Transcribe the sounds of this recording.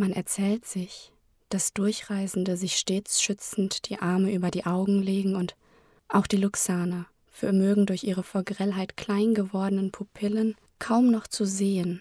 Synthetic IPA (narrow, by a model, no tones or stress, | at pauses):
manʔɛ̰ɐt͡sɛːltz̥ɪç | d̥asd̥ʊɐçʁ̥aɪzn̩dəzɪçʃteːt͡sʃʏt͡sn̩td̥iːʔaɐməʔyːbɐdiːʔaʊɡŋ̩leːɡŋ̩ʊnt | ʔaʊxd̥iːlʊksaːnɐ | fɛɐmøːɡŋ̩dʊɐçʔiːʁ̞əfɔɐɡʁɛlɦaɪtkl̥aɪnɡəvɔɐdənənpʰupʰɪlən | kʰaʊmnɔχt͡suzeːən